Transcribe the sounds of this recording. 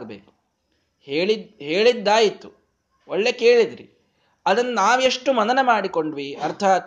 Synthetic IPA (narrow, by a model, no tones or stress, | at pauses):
ɡɐbḛːku̥ | heːɭid̪ɦe̞ːɭid̪ːaːjit̪ːu | oɭːe̞keːɭid̪ɾḭ | ɐd̪ɐnːɐnaːʋeʂʈːumɐnɐnɐmaːɽiko̞ɳɖʋiɐɾt̪ʰaːt̪